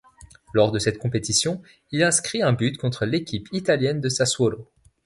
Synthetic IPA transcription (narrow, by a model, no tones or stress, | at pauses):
lɔʁd̪əsɛt̪kɔ̃pet̪isjɔ̃ | ilɛ̃skχiɛ̃byt̪kɔ̃t̪χəlekʲipʰit̪aljɛnd̪əsaswolo